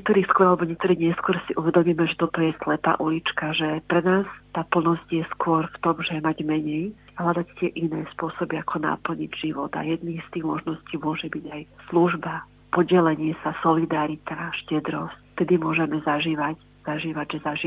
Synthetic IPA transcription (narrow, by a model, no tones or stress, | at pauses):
ɲɛkt̪ɔɾiːskʊɔɾalɛbɔɲɛk̚t̪ɔɾiːɣɲɛskʊɔɾsiʔuʋɛd̪ɔmiːmɛʒɛt̪ɔt̪ɔjɛslɛpa̰ːʔulit͡ʃkaʒɛpɾɛnaːst̪aːpl̩nɔzcjɛskʊɔɾft̪ɔmʒɛmaɟmɛɲɛjɦlad̪act̪ɪɛʔinɛ̰ːspʊɔsɔbiakʰɔna̰pl̩ɲḭɟʒiʋɔd̪a̰jɛd̪niːxst̪iːɣmɔʒnɔsciːmʊɔʒɛbiɟajsluʒba | pɔɟɛlɛɲɪɛsasɔlid̪aɾit̪aʃcɛd̪ɾɔscft̪ɛd̪imʊɔʒɛmɛzaʒiːʋac | z̥aʒiːʋaɟʒɛzaʒiː